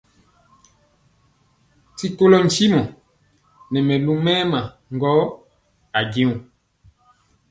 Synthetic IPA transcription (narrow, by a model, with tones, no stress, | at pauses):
ti˦ko˦lɔ˦n̩˨˦t͡ʃi˦mɔ˨ | nɛ˨mɛ˨lu˦mɛ˦ma˨ | ŋɡɔ˨˦ | a˨ɡĩ˦u˨